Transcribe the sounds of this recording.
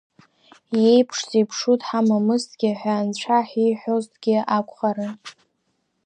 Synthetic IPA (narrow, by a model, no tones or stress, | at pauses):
je̞jpʰʂzipʰʂutʰʼħamamɨstʰʼɡ̥ʲɪħʷᶣaːnt͡ɕʷʰaħiħʷᶣoztʰʼɡ̥ʲɪakʷʰʼχaɾɨn